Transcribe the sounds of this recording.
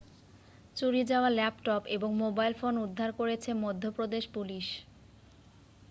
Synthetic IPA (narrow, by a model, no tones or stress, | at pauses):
t͡ɕuɽid͡ʑaoalɛpʈɔpeboŋmobajlfonud̪ʱːaɾkoɾet͡ɕʰemod̪ʱːopɾod̪eʃpuliʃ